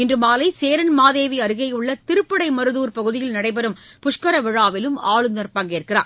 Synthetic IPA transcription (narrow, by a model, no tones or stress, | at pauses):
ɪndrɯmaːlɐɪseːɾɐnmaːðeːʋiɐɾɯɣɐɪɯɭːɐt̪ɪɾɯpːɐɽɐɪmɐɾɯðuːɾpɐɣɯðɪjɪlnɐɽɐɪpɐɾɯmpʊʂkɐɾɐʋɪɻaːʋɪlɯmaːɻɯnɐɾpɐːŋɡeːɾkɪra̰ːɾ